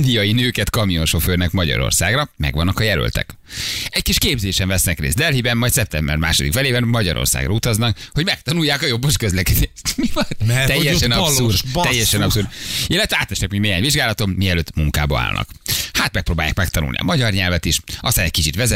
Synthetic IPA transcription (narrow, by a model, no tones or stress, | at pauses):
nd̪ijɒjinøːkɛt̪kɒmijonʃo̞føːrnɛkmɒɟɒ̰ɾo̰rsa̰ːɡrɒmɛ̰ɡʋɒnːɒkɒjɛlø̰lt̪ɛ̰k | ɛckiʃkeːbzeːʃɛɱvɛsnɛkrḛːzd̪ɛlɦibɛnmɒjt̪sɛp̚t̪ɛmbɛ̰rma̰ːʃod̪ikfɛleːbɛnmɒɟɒɾʔo̞̰rsa̰ːɡrʔɒut̪ɒznɒkho̞ɟmɛk̚t̪ɒnujːaːkɒjo̞bːoʃkøzlɛkɛd̪eːʃmivɒnt̪ɛjːɛʃɛnɒurt̪ɛjːɛʃɛnɒpsurilːɛt̪ʋɛaːt̪ʋɛʃɛkmoɟmeːɦaːɲviʒɡaːlɒt̪o̞mːiɛløːt̪muŋka̰ːbɒ̰a̰ːlnɒ̰khaːt̪mɛk̚proːbaːja̰ːkmɛk̚t̪ɒnṵlnḭɒ̰mɒɟɒrɲɛlvɛt̪iʃɒst̪aːnɛc̚kit͡ʃit̪ʋɛzɛ